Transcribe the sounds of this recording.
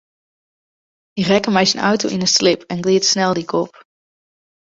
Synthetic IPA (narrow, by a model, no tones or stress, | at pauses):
irɛkəmɛjsənɑ̰wto̰wʔɪnəslɪpʰɛnɡlɪːtsnɛlˠdikʰɔp